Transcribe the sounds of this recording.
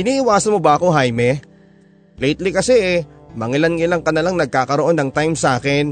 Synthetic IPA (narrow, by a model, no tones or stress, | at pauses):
ʔɪniːʔɪwaːsɐnmo̞bɐʔɐko̞ɦajmɛ | lɛjt̪likɐsɛʔɛmɐŋɪlɐnŋɪlɐŋkɐnɐlaŋnɐɡ̚kaːkɐɾoʔo̞nːɐŋt̪ajmsʔaːkɛn